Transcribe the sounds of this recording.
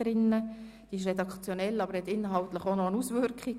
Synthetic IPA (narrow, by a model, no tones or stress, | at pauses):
ɾɪnːə | d̥iːɪʃ̬redɑkt͡sjonɛlːɑbəɾhɛtɪnːəɦɑltləχonoənusvʏɾkχi